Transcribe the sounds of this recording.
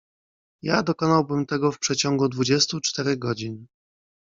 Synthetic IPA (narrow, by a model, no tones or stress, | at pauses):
jad̪ɔkɔnawbɘmt̪ɛɡɔfpʂɛt͡ɕɔŋɡud̪vud͡ʑɛst̪ut͡ʂt̪ɛɾɛɡɔd͡ʑin